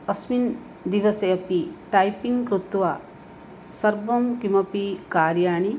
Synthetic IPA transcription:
ɐsmin | d̪iʋɐsɐjɐpiʈajpiŋɡkɾut̪ʋa | sɐɾbɐmkimɐpikaːɾjaːɳi

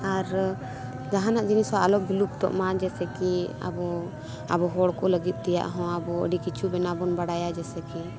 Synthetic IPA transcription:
aɾ | d͡ʒaɦanaʔd͡ʒinisaalɔbilup̚t̪ɔ̰ʔmad͡ʒɛsɛkia̰bɔ | a̰bɔɦɔɽkɔləɡit̪̚ˀt̪ɛja̰ʔɦɔ̃abɔə̰ɖikit͡ʃʰubɛnabɔnbaɽajad͡ʒɛsɛki

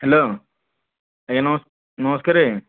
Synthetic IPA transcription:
heloː | ekenɐmɐs | nɐmɐskaɾe

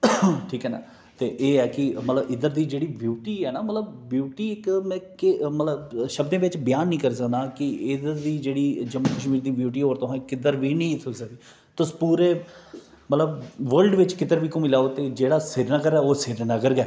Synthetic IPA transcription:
ʈʰiːkɛːna̰ː | t̪eːʔeːɛːkɪmət̪ləbɪd̪əɾd̪iːd͡ʒeːɽiːbjuːʈiːɛːnaːmət̪ləbbjuːʈiːɪkmɛ̃ːkɪmət̪ləbʃəb̚d̪ẽːʋɪt͡ʃbɪjaːnːĩːkəɾiːs̬əkd̪aːkɪɪd̪əɾd̪iːd͡ʒeːɽiːd͡ʒəmːəːkəʃmiːɾd̪iːbjuːʈ̬iːɦoːɾt̪ʊɦãːɪkɪd̪əɾʋiːnĩːt̪ʰʊsəkd̪iː | t̪ʊspuːɾeː | mət̪ləbʋəɾlɖʋɪt͡ʃkɪd̪əɾʋiːkõːmɪlaːoːt̪eːd͡ʒeːɽaːsɪɾnəɡəɾɛːoːsɪɾnəɡəɾɡɛː

